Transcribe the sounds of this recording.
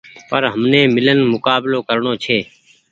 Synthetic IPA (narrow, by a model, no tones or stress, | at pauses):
pəɾɦəmneːmɪlənmʊkaːbloːkəɾɳoːt͡ʃʰeː